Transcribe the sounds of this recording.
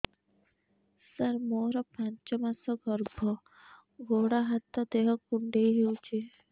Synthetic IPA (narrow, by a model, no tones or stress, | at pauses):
səɾmoɾɔpaɲt͡ʃɔmasɔɡɔɾbʱɔ | ɡoɽaɦat̪ːɔd̪eɦɔkuɳɖejɦiut͡ʃʰi